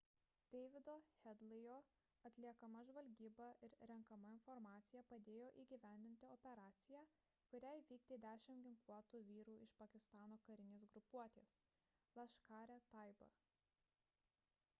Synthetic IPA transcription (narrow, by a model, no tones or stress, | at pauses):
d̪̥ʲɛɪʋʲɪd̪oːxʲɛd̪lˠɪjoː | ɐt̪ʲlʲiɛkɐmɐʒʋɐlʲɡʲiːbɐʔɪɾɾʲɛŋkɐmɐɪnfɔɾmɑːt̪sʲɪjæpɐd̪ʲeːjoːʔiːɡʲiʋʲæˑnʲd̪ʲɪnʲt̪ʲɪɔpʲɛɾɑːt̪sʲɪjæː | kʊɾʲæjʋʲiːkd̪ʲeːd̪ʲæːʃʲɪmɡʲɪŋklˠuɔt̪uːʋʲiːɾuːɪʃpɐkʲɪst̪ɑːnoːkɐɾʲɪnʲeːs̬ɡɾʊpuɔt̪ʲeːs | lˠɐʃkɑːɾʲɛt̪ɑɪbɐ̰